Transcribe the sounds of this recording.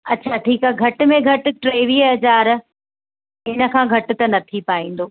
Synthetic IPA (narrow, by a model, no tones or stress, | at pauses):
ɐtːɕʰaʈʰiːkaɡʱɐʈ̆mẽɡʱɐʈ̆ʈɾeːʋiɐd͡ʑaːɾ | ɪnə̆kʰãːɡʱɐʈʊ̆t̪ɐnɐt̪ʰipaːĩːn̆d̪oː